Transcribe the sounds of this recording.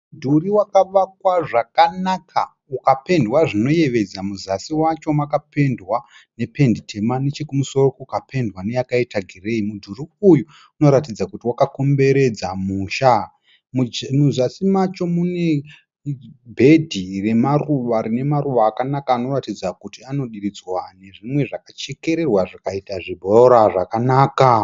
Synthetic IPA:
mmudʱuriwakaʋak̚waʐakanakʰa | ukape̞ndwaʐino̞je̞ʋe̞d͡zamuzasiwat͡ʃo̞makape̞ndwa | ne̞pe̞nditʰe̞manet͡ʃekumuso̞rokoukapʰe̞ndwane̞jakaitaɡʱire̞imudʱuriuju | uno̞ɾatid͡zakutiwakako̞mbe̞ɾe̞d͡zamuːʃa | mud͡ʒenuzasimat͡ʃo̞mune̞ | bʱe̞dʱire̞maruʋaɾine̞maɾuʋaːkanakaːno̞ratid͡zakutiano̞ɗiɾid͡zwane̞ʐimwe̞ʐakat͡ʃe̞ke̞ɾe̞rwaʐakaitaʐibʱoɾaʐakanaːka

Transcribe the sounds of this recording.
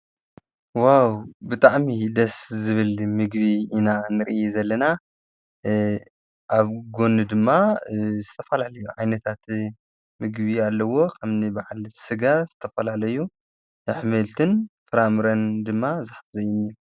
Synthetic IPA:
wawbɨt̪ʼaʕmid̪ɐszɨβɨlmɨɡbiːnanɨɾɨʔiezɐlːɐna | ʔaβɡo̞nɨd̪ɨmːazɨt̪ʰɐfɐlalɐjːuʕajnɐt̪ʰat̪ | mɨɡβialːɐwo̞kʰɐβnɨbaʕalsɨɡazɨt̪ʰɐfɐlalɐju | ħmɨlt̪ʰɨnfɨɾamɾɐnd̪ɨmːazaħt̪ʰzɐjɪnu

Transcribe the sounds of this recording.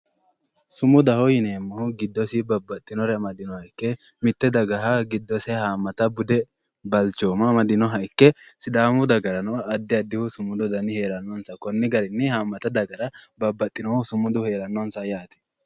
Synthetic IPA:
sʊmʊd̪ɐhɔjɪneːmːɐhʊɡɪd̪ːɔsɪbɐbːɐt̪ʼːɪnɔɾɛmɐd̪ɪnɔhɐɪkːɛ | mɪt̪ːɛd̪ɐɡɐɦaɡɪd̪ːɔsɛhaːmːɐt̪ɐbʊd̪ɛ | bɐlt͡ʃːoːmɐmɐd̪ɪnɔɦɐɪkːɛsɪd̪aːmʊd̪ɐɡɐɾɐnɔɐd̪ːɪɐd̪ːɪhʊsʊmʊd̪ɔd̪ɐnɪhe̞ːɾɐnːɔnsɐkɔnːɪɡɐɾɪnːɛhaːmːɐt̪ɐd̪ɐɡɐɾɐbɐbːɐt̪ʼːɪnɔhʊsʊmʊd̪ʊhe̞ːɾɐnːɔnsɐjaːt̪ɛ̥

